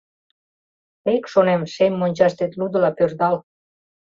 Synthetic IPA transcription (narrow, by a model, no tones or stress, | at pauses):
ekʃonemʃemʲːonʲt͡ɕɑʃt̪et̪lud̪ə̆lɑpørd̪ɑl